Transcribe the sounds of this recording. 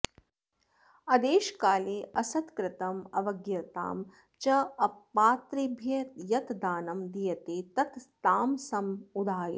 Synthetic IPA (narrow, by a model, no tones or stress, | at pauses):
ɐd̪eːʃkaːleːʔɐsɐt̪kɾɪt̪ɐmɐʋɐɡjɐt̪a̰ːm | t͡ʃɐɐpːaːt̪ɾibʱjɐt̪jɐt̪d̪aːnɐmd̪ijɐt̪eːt̪ɐt̪t̪aːmsɐmud̪ʱaːjɐ̰